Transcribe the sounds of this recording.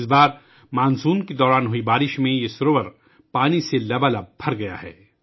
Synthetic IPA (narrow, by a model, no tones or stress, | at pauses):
sbaːɾ | mãːnzuːnked̪ɔːɾaːnɦʊibaːɾɪʃmẽjesʊɾoʋəɾ | paːniselɐbalabʱɐɾɡɐja̰ɦɛ̰ː